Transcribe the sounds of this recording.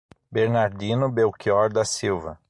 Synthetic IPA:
beɾnaɾd̪ĩnʊbewkiɔɾd̪ɐsiwvɐ

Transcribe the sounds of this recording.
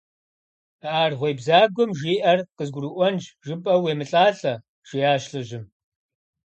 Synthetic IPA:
aːrʁʷejbzaːɡʷɔmʒiːʔɐrqəzɡʷrɨʔʷɔnd͡ʒʒɨpʼɐweːmɨɬʼaːɬɐ | ʒ̥ijaːʃɬɨʒɪm

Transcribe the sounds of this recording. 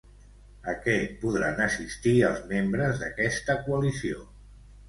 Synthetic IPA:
əkɛpuðɾa̰nəsist̪iəlˠzmembɾəzðəkɛst̪əkuəlisio

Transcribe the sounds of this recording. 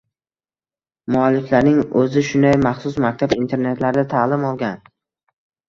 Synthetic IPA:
mʊalːɪflaɾnɪŋɵzɪʃʊnd̪ajmɑχsʊsmak̚ʲt̪ʰabint̪ʰe̞ɾne̞t̪laɾɪd̪at̪ʰaːlɪmɒlˠɡʲan

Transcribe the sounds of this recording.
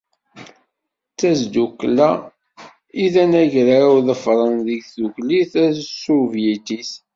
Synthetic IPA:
t͡sːæzd̪ukːlæ | iðænæʝɾauðəfɾˤənðəʝθukliθæðsuvjit̪iθ

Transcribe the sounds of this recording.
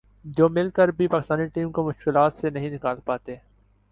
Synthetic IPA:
d͡ʒoːmɪlkəɾbʱipaːkɪst̪aːniʈiːmkomʊʃkɪlaːt̪senɐɦĩnɪkaːlpaːt̪eː

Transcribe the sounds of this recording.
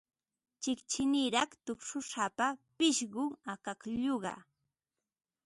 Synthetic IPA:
t͡ʃɪkt͡ʃɪnɪɾɑχt̪ʊkʂʊʃapapɪʃɢʊŋakakʎoɢɑ̰

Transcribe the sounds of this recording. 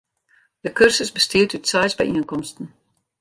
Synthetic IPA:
d̥əkɵrsəsbəstiəthytsɛjsbə̰ʔiənkɔmstən̩

